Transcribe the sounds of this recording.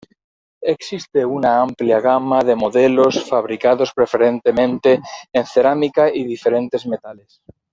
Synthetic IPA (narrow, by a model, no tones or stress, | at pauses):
eksist̪eunaampljaɣamaðe̞moðelo̞sfaβ̞ɾikaðo̞spɾe̞fe̞ɾent̪e̞mẽnt̪eːnθe̞ɾamikaiðife̞ɾẽ̞nt̪ezmet̪ales